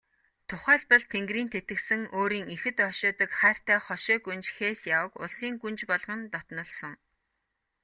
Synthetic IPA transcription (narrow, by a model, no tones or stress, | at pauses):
t̪ʰʊχæːɮpə̆ɮt̪ʰeŋɡriːnt̪ʰet̪ɘ̆ksɘ̆ŋoːɾiːŋixɘ̆t̪ɔʃʊːt̪ə̆kχæːr̥t̪æːχɔʃɔːɡunt͡ɕxeːsjawə̆kʊ̰ɮsiːŋɡunt͡ɕpɔɮʁɞ̆nt̪ɔt̪nɞ̆ɮsɞ̆ŋ